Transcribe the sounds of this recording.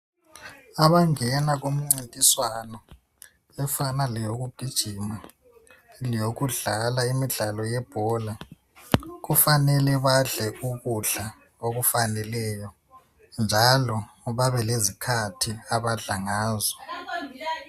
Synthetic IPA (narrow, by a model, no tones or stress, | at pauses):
aβaŋɛnaɣom̩ŋ͡ǀintʼiswanɔ | ɛfanalɛjoɣub̥ʱid̥ʒ̥ʱima | lijoɣuɮalaimiɮalɔjɛb̥ʱɔla | ɣufanɛlɛβaɮɛuɣuɮa | oɣufanɛlɛjɔ | nd͡ʒʱalɔ | βaβɛlezikʰatʰiaβaɮaŋaːzɔ